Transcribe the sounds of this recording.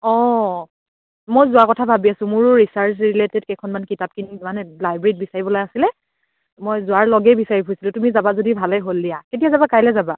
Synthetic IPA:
ɔ | mojzʊakɔtʰabʱabiasʊ̃mʊɹʊɹisaɹsɹiletɛdkɛjkʰɔnmankitap̚kinimanɛlajbɹeɹit̚bisaɹibɔlajasilɛ | mojzʊaɹlɔɡɛjbisaɹipʰojsilʊtumizabazodibʱalɛjɦolːdijaketijazabakajlɛzaba

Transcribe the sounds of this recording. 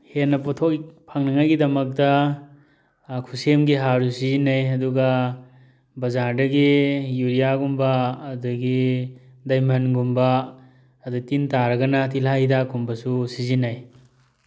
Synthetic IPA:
henːɐpɔtʰokpʰaŋnɐŋajɡidɐmɐk̚dɐ | kʰusemɡiɦaɾusizinajɐduɡɐ | bɐzaɾdɐɡijuɾijaɡumbaːduɡi | dɐjmɐnɡumba | ɐdutintaɾɐɡɐnɐt̬ilɦajdakumbɐsusizinaj

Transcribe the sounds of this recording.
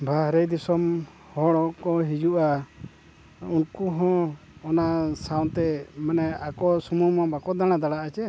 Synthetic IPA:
bʱaɦɾɛjd̪isɔm | hɔɽɔʔkɔɦid͡ʒuʔa | unkuɦɔ̃ | ɔnasawnt̪ɛmanɛakɔsumumɔ̃bakɔd̪aɽ̃ad̪aɽaʔat͡ʃɛ

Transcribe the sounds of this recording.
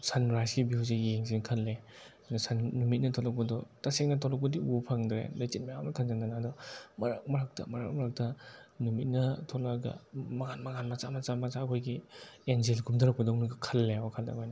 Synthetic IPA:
sanɾajsɡibiwzejeŋziŋkʰɐlːe | adɔsannumit̚nɐtʰɔlɔk̚pɐdɔtaseŋnɐtʰɔlɔk̚bɐdiupʰaŋdɾḛlojt͡ʃit̚majamnɐkʰanzananːdɔmɐɾa̰k̚mɐɾak̚tɐ̰mɐɾa̰k̚mɐɾak̚tɐnumit̚nɐtʰɔlaɡa̰maɡanmaɡanmat͡ʃamat͡ʃamat͡ʃaːkʰojɡienzelɡumdaɾɐk̚pɐdɔŋnuɡkʰɐlːeɔkʰalda̰ŋajna

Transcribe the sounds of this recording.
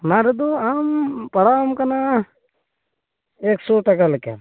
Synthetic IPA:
naɾd̪uampɐɽamkɐna | eksoʈɐkalkḛ

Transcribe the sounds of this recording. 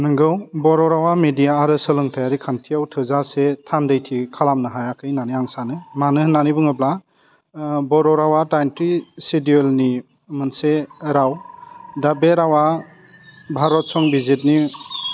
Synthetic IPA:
nɯŋɡɯwbɔɾɔɾawamedijaːɾɯsɯlɯŋtʰajaɾikʰantʰiawtʰɯzasetʰandɯjtʰikʰalamnɯɦajakʰɯjnaniaŋsanɯmanɯhnanibɯŋɯbla | bɔɾɔɾawadajntɾisidielni | mɯnseɾawdabeɾawa | bʱaɾɔt̚sɔŋbizit̚ni

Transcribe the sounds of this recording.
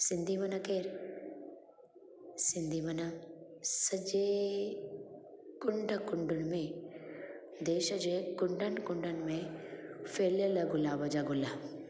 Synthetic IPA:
sɪnd̪ʱimɐnɐkeːɾ | sɪnd̪imɐnasəd͡ʒeː | kʊɳɖəkʊɳɖʊnmẽ | d̪eːʃɐd͡ʒekʊɳɖʱənkʊɳɖʱənmẽ | feːljəlɐɡʊlaːbɐd͡ʒaɡʊlaː

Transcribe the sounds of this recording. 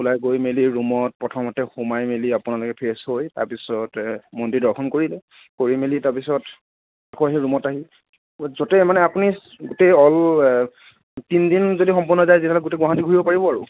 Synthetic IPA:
ulajɡojmeliɹumɔt̚pɹɔtʰɔmɔtɛxumajmeliapʊnalʊkɛpʰeshojta̰ɹpisɔtmɔndidɔɹkʰɔnkoɹilɛ | koɹimelitaɹpisɔt | akuaɦiɹumɔtaɦi | zotɛmanɛapuni | ɡʊteɔl | tindinzodixɔmpuɹnɔzajzitʰɛlkɡʊteɡwaɦatiɡʱuɹibɔpaɹibɔaɹʊ

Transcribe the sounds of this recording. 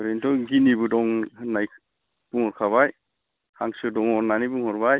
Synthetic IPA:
bɔɾentʰɔɡinibudɔŋnaj | b̥uŋhɔɾkʰaβaj | haŋsɯdɔŋɔnanibuŋhɔɾbaj

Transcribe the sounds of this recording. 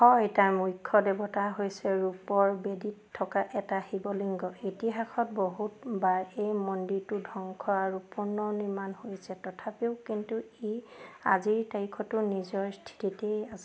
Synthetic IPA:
hɔjtajmujkʰːɔdebɔtaɦojsɛɹupɔɹbeditʰːɔkaʔɛtahibɔliŋɡɔitiɦaxʰɔt̚boɦutbaɹejmɔndiɹtʊdʱɔŋkʰɔaɹupuɹnɔniɹmanhojsɛtɔtʰapeʊkintueaziɹtaɹikʰɔtʊnizɔɹstʰi̥titejasɛ

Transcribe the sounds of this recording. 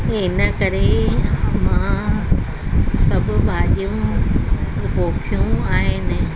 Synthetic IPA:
ɪnəkɐɾe | mã | sɐbʱʊ̆bʱaːʄijũ | boːkʰijũaːɦɪnɪ

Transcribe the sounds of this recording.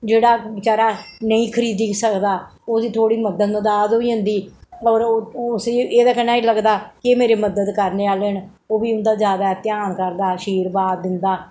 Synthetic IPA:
d͡ʒeːɽaːɪt͡ʃaːɾaːnəĩːkʰəɾiːd̪iːsəkd̪aːoːd̪iːt̪ʰoːɽiːməd̪əd̪mə̃d̪aːzoːiːɦʊ̃nd̪iːɔːɾʊsiːeːd̪aːkənaːiːləɡd̪aːkɪemeːɾeːməd̪əd̪kəɾneːaːleːɳ | oːbiːʊnd̪aːzjaːd̪aːɛt̪jaːnkəɾd̪aːʃiːɾbaːd̪ɪnd̪aː

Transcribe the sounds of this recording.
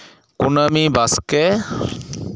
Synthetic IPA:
kʊnamibaskɛ

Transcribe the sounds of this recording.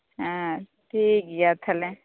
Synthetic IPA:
ɦã | ʈʰiːkiat̪ʰɐlẽ

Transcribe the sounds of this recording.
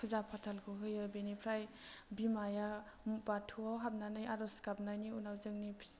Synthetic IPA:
kʰuzapʰatʰalkʰuɦɯjɯbenipʰɾajbimaja | mbatʰuawɦap̚nanɯjaɾɔskap̚najniunawzɯŋnipʰ

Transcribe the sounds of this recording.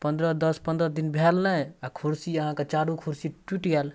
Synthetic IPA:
pənd̪ɾəd̪əspə̃nd̪ɾəd̪inbʱɛlnəakʰuɾsiəɦãket͡ʃaɾũkʰuɾsiʈwiʈɡɛl

